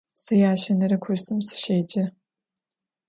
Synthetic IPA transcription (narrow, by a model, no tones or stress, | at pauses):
sɐjaːʃɐnɐɾɨkʷʰʊrsɨmsɨ̥ʃeːd͡ʒɐ